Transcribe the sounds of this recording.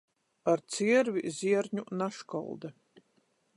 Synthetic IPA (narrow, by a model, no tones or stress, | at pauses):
aɾt̪siɛɾvʲizʲiɛɾɲunaʃkɔ̰lˠd̪a